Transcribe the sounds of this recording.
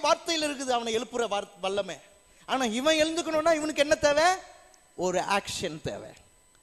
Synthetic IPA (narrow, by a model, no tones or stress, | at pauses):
ʋaːɾt̪ɐjɪlɪɾɯk̬ːɯðɯɐʋɐnɐɛɭɯpːɯɾɐʋaːɾʋɐɭːɐmeː | aːnaːɪʋɐ̃ɛɻɯnd̪ɯkːɐnʊ̃nːaːɪʋɐnɯkːɛnːɐt̪eːʋẽː | ɔɾɯa̰ːkʂɐnt̪ḛːʋḛ̃